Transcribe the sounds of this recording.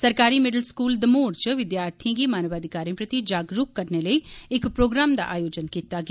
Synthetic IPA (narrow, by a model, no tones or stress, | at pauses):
səɾkaːɾiːmɪɖəlskuːld̪əmoːɾt͡ʃʋɪd̪jaːɾt̪ʰiãːɡiːmaːnəʋaːd̪ʱɪkaːɾĩpɾət̪id͡ʒaːɡɾʊkːəɾneːləiːɪkpɾoːɡɾaːmd̪a̰ːʔa̰ːjoːd͡ʒənkiːt̪aːɡɪ